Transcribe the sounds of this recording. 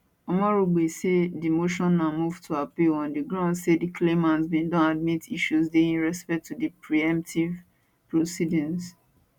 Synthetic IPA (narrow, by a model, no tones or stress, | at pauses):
ɔmɔɹoɡ͡besedimoʃɔ̃nːamuvtʰuapiɔ̃ndiɡɹãʊ̃ndsedikʰlemãntmedɔ̃nad̚mitiʃusdeĩnɹɛspɛk̚tʰudipɹiɛ̃m̚tʰiv | pɹosidĩns